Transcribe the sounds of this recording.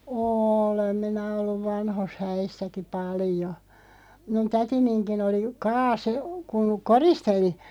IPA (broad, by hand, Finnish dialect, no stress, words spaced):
oːlem minæ olːuʋ ʋɑnhos hæisːæki pɑljo minun tætininkin oli kɑːse kuŋ koristeli